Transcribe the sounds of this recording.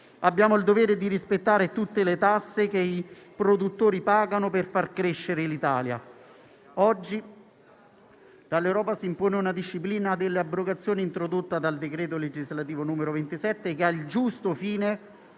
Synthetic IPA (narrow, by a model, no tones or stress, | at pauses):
abːjaːmoild̪oveːɾed̪iɾispet̪ːaːɾet̪ut̪ːelet̪asːekeipɾod̪ut̪ːoːɾipaːɡanoperfarkɾeʃːeɾelit̪a̰ːlja̰ | ɔd͡ʒːi | d̪̥alːewɾɔːpasiːmpoːneunad̪iʃːipliːnad̪elːeabɾoɡat̪sːjoːniːnt̪ɾod̪ot̪ːad̪ald̪ekɾeːt̪oled͡ʒizlat̪iːvonuːmeɾovent̪isɛt̪ːekeald͡ʒust̪ofiːne